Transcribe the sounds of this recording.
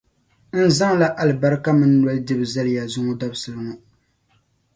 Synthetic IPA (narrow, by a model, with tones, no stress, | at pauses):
n̩˦za˦ŋla˦ʔa˦lɨ˨ba˦ɾɨ˦ka˦mɨ˦nː˦˨a˨˦ldɨ˦bɨ˨za˦lɪ˨ja˨zʊ˦ŋo˦da˦bsɨ˨lɨ˨ŋʊ˦